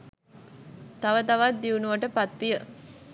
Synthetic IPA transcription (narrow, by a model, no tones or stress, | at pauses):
t̪aʋət̪aʋat̪̚d̪iunuʋəʈəpat̪ʋijə